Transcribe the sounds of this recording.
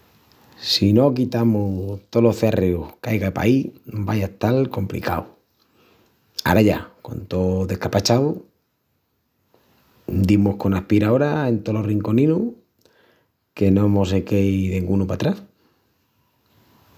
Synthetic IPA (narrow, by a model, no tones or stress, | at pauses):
sino̞kit̪amot̪oloθearʔeuhkajɣaepa̰ibajat̪alko̞mplḭka̰w | a̰ɾaʝako̞̰nt̪o̞ðe̞kapat͡ʃao | d̪imohkonahpiɾao̞ɾaent̪olo̞riŋko̞nĩnu | ke̞noemos̬ekejðeŋɡunupat̪ɾas